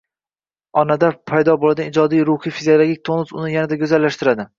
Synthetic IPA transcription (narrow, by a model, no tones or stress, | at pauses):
ɒnad̪apʰajd̪ɒbolad̪ʲnɪd͡ʒɒd̪ijɾʊhijfiziolˠoɡʲik̚ʲt̪ʰonɪsʊ̰nɪjanad̪aɡʲɵzalːaʃt̪ɪɾad̪ɪ